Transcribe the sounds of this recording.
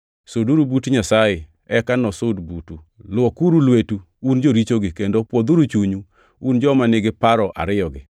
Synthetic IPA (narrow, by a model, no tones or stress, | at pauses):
soduɾubutuɲasaje | ɛkanɔsodbutu | lwɔkuɾulwetu | und͡ʒoɾit͡ʃoɡɪkendopwod̪uɾut͡ʃuɲu | und͡ʒɔmanɪɡɪpaɾɔʔa̰ɾɪjɔɡɪ